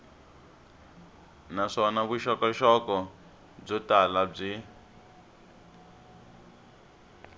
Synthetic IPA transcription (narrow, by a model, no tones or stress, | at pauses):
naʂɔnaβuʃɔkɔʃɔkɔ | b͡ʐɔtalab͡ʐi